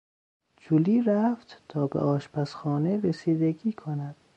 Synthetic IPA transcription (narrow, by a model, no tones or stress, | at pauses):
d͡ʒuliːɾæft̪t̪ʰɒːbḛʔɒːʃpʰæsxɒːneɾesiːd̪eɡiːkʰonæd̪̥